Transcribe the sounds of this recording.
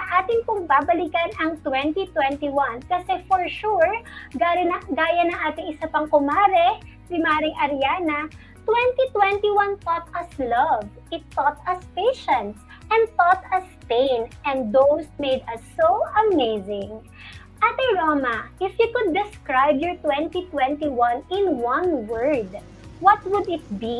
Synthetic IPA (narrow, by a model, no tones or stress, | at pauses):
ɐŋʔaːt̪ɪŋpʊŋbabɐlikɐnɐŋt̪wɛ̃nt̪it̪wɛ̃nt̪iwɐnkɐsɛfɔɹʃuɹɡanɡaːjɐnɐŋʔaːt̪ɪŋɪsapɐŋkʊmaːɾɛ | sɪmaːɾɪŋʔɐɾjanɐ | t̪wɛ̃nt̪it̪wɛ̃nt̪iwɐnt̪ɔt̪ɐslɐv | ʔɪt̪ːɔt̪ɐspejʃɐ̃nt̪s | ʔɛ̃nd̪t̪ɔt̪ɐspẽjnʔɛ̃nd̪ðowsmejd̪ɐsːowʔɐmeɪzɪ̃ŋ | ʔat̪ɛɹomɐʔɪfjukʊd̪ːɪskɹajbjɔɹt̪wɛ̃nt̪it̪wɛ̃nt̪iwɐ̃nɪ̃nwɐ̃nwɜɹd̪ | wɐt̪wʊd̪ɪt̪̚bi